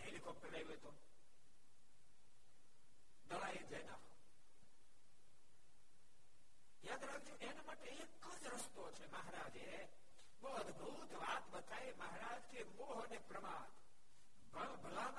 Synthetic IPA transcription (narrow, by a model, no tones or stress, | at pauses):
ɦelikʰɔp̚ʈəɾajʋoet̪o | d̪əɭaːid͡ʒɛna̰ɦo | jaːd̪ɾaɡd͡ʒũʔenamaːʈeekːəd͡ʒɾəst̪ot͡ʃʰeməɦaɾaːd͡ʒe | ʋoəd̪ʱbʱut̪ʋaːt̪bət̪ʰaːeməɦaɾaːd͡ʒk̪ʰeʋoɦonepɾəmaːt̪ | bbʱəlan